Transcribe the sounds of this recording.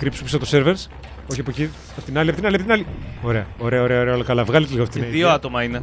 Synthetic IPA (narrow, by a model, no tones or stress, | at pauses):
kɾipsupsɐt̪oseɾveɾs | oçiɐpoci | ɐt̪inɐliɐpit̪inɐliɐpit̪inɐlio̞ɾe̞ɐo̞ɾe̞ɐo̞ɾe̞ɐoɾeɐolokɐlɐvɣɐlet̪liɣoɐfit̪inɐðioɐt̪omɐine